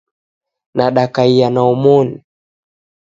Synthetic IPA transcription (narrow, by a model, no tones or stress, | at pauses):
naɗakaijanaɔmɔni